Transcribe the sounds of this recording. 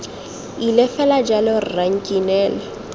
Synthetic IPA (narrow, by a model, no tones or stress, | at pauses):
ilɛfɛlad͡ʒalɪrraŋ̩kʼinɛːlɛ